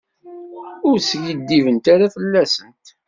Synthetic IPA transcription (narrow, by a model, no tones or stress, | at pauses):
ʊɾsʝəd̪ːivənt̪aɾaθəlːæsənt̪